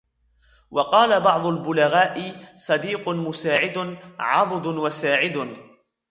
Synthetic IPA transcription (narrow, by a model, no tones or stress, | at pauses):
wɑqɑːlabɑʕd̪ˤʊlbʊlaɣaːʔɪsˤɑd̪iːqʊmʊsaːʕɪd̪ʕɑdˤd̪ʊwasaːʕɪd̪